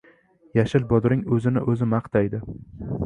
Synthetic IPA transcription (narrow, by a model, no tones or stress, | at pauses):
jaʃɪlbɒd̪ɾɪŋɵzɪnɪ̰ʔɵzɪmɑqt̪ʰajd̪ɪ